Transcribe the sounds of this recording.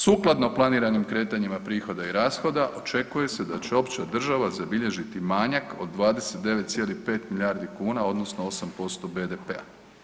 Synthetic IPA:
suːklˠad̪no̞plˠaniːɾanimkɾe̞ːt̪aɲimapɾiːxo̞d̪aiɾaːsxo̞d̪aʔo̞t͡ʃe̞kuje̞sed̪at͡ɕeo̞pt͡ʃad̪r̩ʒaʋazabiʎe̞ʒit̪imaːɲako̞d̪ːʋaːd̪eset̪̚d̪e̞ʋe̞t̪t̪sje̞ːlihpe̞ːt̪miʎʲaːɾd̪ikuːnao̞d̪no̞snoo̞sampo̞st̪o̞be̞d̪epea̰

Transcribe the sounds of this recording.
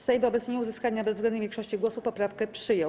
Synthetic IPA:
sɛjvɔbɛt̪sɲɛuzɘskaɲabɛzzɡlɛnɲɛvʲjɛ̃ŋkʂɔɕt͡ɕiɡwɔsupɔpɾafkɛpʂɘjɔw

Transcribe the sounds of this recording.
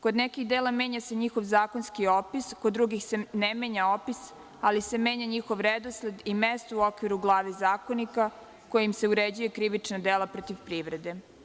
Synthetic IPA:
ko̞d̪nekixd̪eːlame̞ːɲaseɲixo̞ʋzaːko̞nskiopiskod̪dːɾuɡixse̞nemeːɲaopis | alise̞meːɲaɲixo̞ʋɾed̪osled̪imest̪ouokʋiɾuɡlˠaːʋezaːko̞nika | kojimse̞uɾed͡ʑujekɾiʋinad̪eːlapɾot̪iʋpɾiːʋɾe̞d̪e̞

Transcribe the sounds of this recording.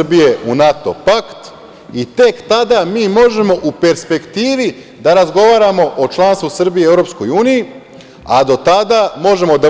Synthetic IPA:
bije̞unat̪o̞̰pakt̪ | it̪e̞kt̪ad̪amiːmo̞ʒe̞mo̞ʔupe̞ɾspe̞kt̪iːʋi | d̪aɾazɡo̞ʋaːɾamo̞ʔot͡ʃlˠaːnst̪ʋusr̩bijeeʋɾo̞psko̞juːniji | a̰d̪o̞t̪ad̪aːmo̞ʒe̞mo̞d̪a

